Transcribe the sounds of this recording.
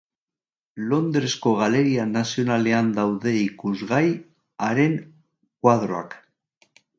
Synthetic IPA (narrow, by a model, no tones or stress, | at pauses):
lo̞nd̪ɾeskoɣ̞aleɾianasjo̞naleand̪awðeikuzɣaj | aɾeŋ | kwað̞ɾoa̰k